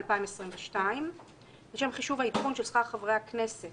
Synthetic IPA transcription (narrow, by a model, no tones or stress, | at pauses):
lpaimesʁimveʃtaim | beʃemχiʃuvhaitχunʃelsχaʁχavʁejhakne̞set